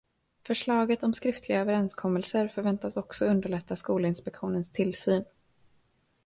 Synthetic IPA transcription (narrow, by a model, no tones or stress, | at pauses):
fœʂɭɑːɡət̪ɔmskɾɪft̪ʰlɪɡaøːvəɾɛnskʰɔmːəlsəɾfœɾvɛnt̪asɔksɔɵnd̪əɭɛt̪ːaskuːləɪnspɛkɧuːnənst̪ʰɪlːsyːn